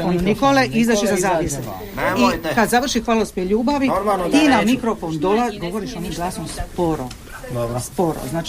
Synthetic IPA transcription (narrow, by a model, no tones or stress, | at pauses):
onnikoleʔizat͡ʃizazaːpise | ikad̪zaʋr̩ʃixʋaːlospeʎuːbaʋit̪iːnamikɾofo̞nd̪olaɡo̞ʋo̞ɾiʃonimɡlˠaːsomspoɾo̰ | spo̞ɾo̰znaːt͡ʃ